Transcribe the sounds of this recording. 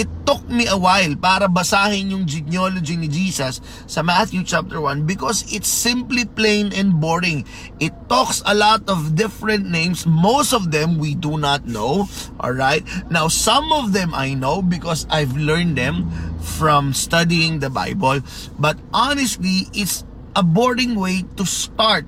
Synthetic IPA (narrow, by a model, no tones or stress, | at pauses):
ʔɪt̪ːʊk̚miʔɐwajlpaːɾɐbɐsaːhɪnjʊŋd͡ʒɪnjolod͡ʒinɪd͡ʒiːsɐsː | ɐmat̪jut͡ʃap̚t̪əɹwɐ̃nbɪkɔsɪt̪sɪ̃mpliplẽɪ̃nɛ̃nd̪̚bɔɹɪ̃ŋ | ʔɪt̪ːɔksɐlɔt̪ɔvd̪ɪfɹɛ̃nt̪̚nẽjmsmost̪ɔvd̪ɛ̃mwid̪unat̪̚noʊʔɔ̰lɹaɪt̪̚nawsʌ̃mɔvðɛ̃mʔa̰jnoʊbɪkɔsajvlɛɹnd̪ɛ̃mfɹɔ̃mst̪ʌd̪iɪ̃ŋd̪ɐba̰jbɔl | bɐt̪̚ʔanɛst̪liʔɪt̪s | ʔɐbɔɹdɪ̃ŋweɪt̪ust̪aɹt̪̚